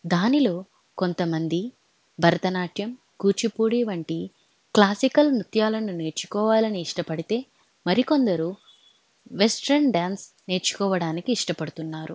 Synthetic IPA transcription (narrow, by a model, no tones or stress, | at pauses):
d̪aːnilo̞ː | ko̞nt̪ɐmɐnd̪i | bʱɐɾɐt̪ɐnaːʈʰjɐm | kuːt͡ʃipuːɽiːʋɐɳʈi | klaːsikɐlmɾut̪jaːlɐnune̞ːɾt͡ʃu̥kɔːʋaːlɐniːʂʈɐpɐɽit̪e̞ː | mɐɾiko̞nd̪ɐɾu | ʋe̞sʈɐɾɳɖaːns | ne̞ːɾt͡ʃu̥kɔːʋɐɽaːnikiːʂʈɐpɐɽut̪unːaːɾu